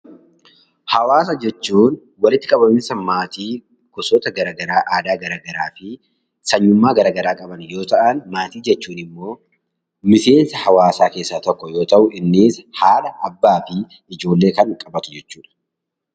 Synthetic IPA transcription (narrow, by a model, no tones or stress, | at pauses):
hɐwaːs̬ɐd͡ʒɛt͡ʃːuːn | wɐlɪt̪ːɪkʼɐbɐmɪsɐnmaːt̪iː | ɡ̥ɔsoːt̪ɐɡɐɾaːɡɐɾaːʔaːd̪aːɡɐɾaːɡɐɾaːfɪ | sɐɲːʊmːaːɡɐɾaːɡɐɾaːkʼɐbɐnjo̞ːt̪ɐʔɐnmaːt̪iːd͡ʒɛt͡ʃːuːnɪmːo̞ː | mɪse̞ːnsɐhɐwaːsaːke̞ːsːaːt̪ɔkːɔjo̞ːt̪ɐʔʊʔɪnːiːshaːlɐɐbːaːfɪ | ɪd͡ʒo̞ːlːe̞ːkɐŋkʼɐbɐt̪ʊd͡ʒɛt͡ʃːuːᶑɐ̥